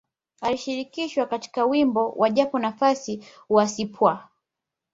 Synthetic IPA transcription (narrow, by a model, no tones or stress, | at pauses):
aliʃiɾikiʃwakati̥kawimbɔwʔaʄapɔnafasi | wasipwa